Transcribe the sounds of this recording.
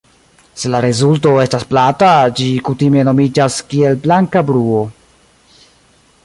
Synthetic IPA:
se̞laɾezulto̞e̞stasplatad͡ʒikutime̞no̞mid͡ʒaskie̞lblaŋkabɾuo̞

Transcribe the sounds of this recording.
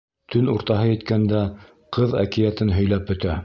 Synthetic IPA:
t̪ʰɵnuɾt̪ɑɦɤjɘ̆t̪kænd̪æ | qʰɤðæ̰kɘ̆jæt̪ɘnɦɵ̆jlæp̚bɵ̆t̪æ

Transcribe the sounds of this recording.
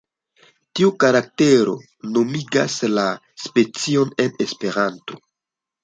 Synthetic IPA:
tiukaɾak̚te̞ɾo̞̰ | no̞miɡa̰sla | spe̞t͡sio̞ne̞ne̞spe̞ɾanto̞

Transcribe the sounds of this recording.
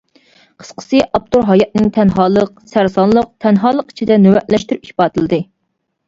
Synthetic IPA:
qʰə̥sqə̥sɨʔɑp̚t̪oɾɦɑjɑt̪̚nɪŋt̪ʰɛnɦɑːlˠəq̚sæɾsɑnlˠəq̚t̪ʰɛnɦɑːlˠəqi̥t͡ʃʰid̪ɛnywɛʔlɛʃt̪yɾypiʃpɑːt̪ʰɨlˠɨd̪ɨ

